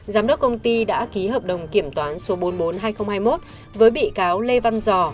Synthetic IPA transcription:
zaː˨˦mɗə˦˥k͡p̚kə˧wŋ͡mt̪i˧ɗa̰ː˧˥ki˨˦ɦəː˨˩p̚ɗə˨˩wŋ͡mki˧˩əmt̪waː˨˦nso˨˦ɓo˨˦nɓo˨˦nɦaː˧jxə˧wŋ͡mhaː˧jmo˦˥t̚ | vəː˨˦jɓḭ˧˨kaː˨˦wle˧va˧nzɔ˧˩

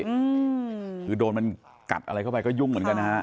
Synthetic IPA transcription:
ɯ˧kʰɯː˨˩doː˧nma˧n | ka̰˨˩p̚ʔa̰˧ɾa˧jkʰa˥˩pa˧jkɔː˥˩ju˥˩ŋmɯ˩˦ənka˧nːa˦˥ha˦˥

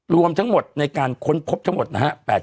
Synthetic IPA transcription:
ɾu˧əmt̪ʰa˦˥ŋmo˨˩t̪̚na˧jkaː˧nkʰo˦˥npʰo˦˥p̚t̪ʰa˦˥ŋmo˨˩t̪̚na˦˥ha˦˥pɛː˨˩

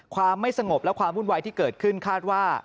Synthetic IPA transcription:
kʰwaː˧mːa˥˩jsa˧ŋo˨˩p̚lɛ˦˥kʰwaː˧mɾu˥˩nwaː˧jt̪ʰiː˥˩kɤː˨˩t̪̚kʰɯ˥˩nkʰaː˥˩t̪̚waː˥˩

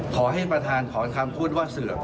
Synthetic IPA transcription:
kʰɔː˩˦ɦa˥˩jpɾa˧t̪ʰaː˧nkʰɔː˩˦kʰa˧mpʰuː˥˩t̪̚waː˥˩sɯ˨˩ɐ

